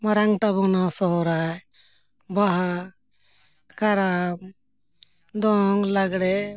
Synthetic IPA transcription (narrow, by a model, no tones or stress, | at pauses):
maɾaŋt̪abɔnasɔɦɔɾaj | baɦa | kaɾam | d̪ɔŋlaɡɽɛ